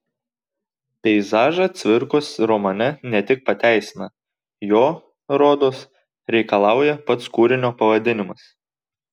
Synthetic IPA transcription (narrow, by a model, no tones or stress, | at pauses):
pʲɛɪzɑːʒɐt̪sʲʋʲɪɾkosɾɔmɐnʲɛnʲɛt̪ʲɪk̚pɐt̪ʲæˑɪsʲɪnɐ | joː | ɾoːd̪oːs | ɾʲɛɪkɐlˠɑˑʊjɛpɐt̪skuːɾʲɪnʲoːpɐʋɐd̪ʲɪnʲɪmɐs